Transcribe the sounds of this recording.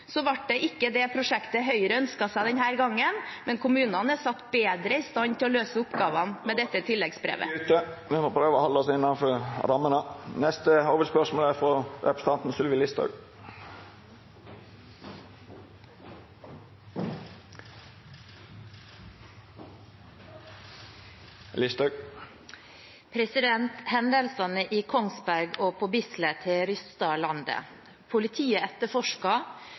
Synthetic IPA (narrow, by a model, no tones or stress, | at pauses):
sɔʋɑʈ̚ɖɛʔɪkːəd̪ɛpʰɾʊʂɛkt̪əɦœʏəɾəœnskɑsæɪd̪ɛnhæːɾɡɑŋːənmɛnkʰʊmʉːnɑnəsɑt̪ːbeːd̪ɾəɪst̪ɑnt̪ʰɪlɔløːsəʊpɡɑːʋɑnmɛd̪ɛt̪ːət̪ʰɪlːɛɡsbɾḛːʋə̰ʉːt̪əʋɪmoːpʰɾøːʋəɔhɔlːəɔsɪnːɑnfɔɾɾɑmːənənɛst̪əoːʋəspœʂmoːləæɾfɾɔɾɛ̰pɾə̥st̪ɑnt̪n̩sʉlʋɪlɪst̪ʰɑ̰ʉɡ | lɪst̪ɑʉɡ | pʰɾɛsɪd̪ɛnt̪hɛnd̪əlsɑnəʔiːkʰɔŋsbæɾɡoːpʰoːbɪslət̪ʰɪɾʏst̪ɑlɑnd̪ə̰ | pʰʊlɪt̪ʰiːəɛt̪ːəfɔʂkɑ